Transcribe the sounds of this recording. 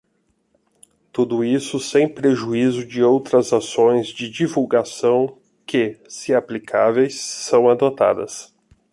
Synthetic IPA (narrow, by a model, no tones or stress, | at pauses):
t̪ud̪ʊisʊsẽj̃pɾeʒuizʊd͡ʒɪowt̪ɾɐzasõj̃zd͡ʒɪd͡ʒivuwɡasɐ̃w̃ | kɪsɪaplikʰavejsːɐ̃w̃ad̪ot̪a̰d̪ɐ̰s